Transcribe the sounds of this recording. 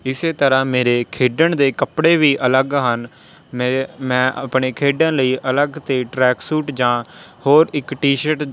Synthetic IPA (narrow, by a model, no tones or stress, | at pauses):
ɪseːt̪əɾãːmeːɾeːkʰeːɖəɳd̪eːkəpɽeːʋiːʔələɡɦən | mmɛ̃ːʔəpɳeːkʰeːɖə̃ːləiːʔələɡt̪eːʈɾɛːksuːʈd͡ʒãːhoːɾɪkʈiːʃəʈ